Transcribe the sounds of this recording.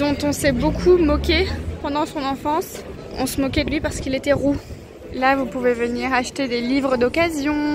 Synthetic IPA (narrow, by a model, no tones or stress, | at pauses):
d̪ɔ̃t̪ɔ̃sɛbokʰumɔkʲepɑ̃d̪ɑ̃sɔ̃nɑ̃fɑ̃s | ɔ̃səmɔkʲɛd̪əlɥipaʁsə̥kilet̪ɛʁu | lavupuvevəniʁaʃət̪ed̪elivʁəd̪ɔkazjɔ̃